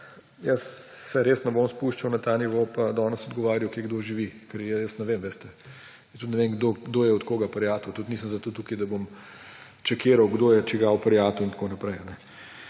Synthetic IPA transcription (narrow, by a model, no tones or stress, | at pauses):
jəsːɛɾeːsnɛbomspuʃt͡ʃɐwnɐt̪aːniʋopad̪ɔːnəsɔd̪ɡɔʋaːɾjɐwkeɡd̪oʒiʋikɛɾjəjəsnɛʋeːmʋeːst̪ɛ | st̪ut̪nɛʋeŋɡd̪oɡd̪oːjɛɔt̪koːɡapɐɾjaːt̪ut̪ut̪niːsəmzɐt̪ot̪uːkid̪ɐbom | t͡ʃɛkeːɾɐwɡd̪oːjɛt͡ʃɛɡaɔpɐɾjaːt̪ɔint̪konɐpɾɛjanɛ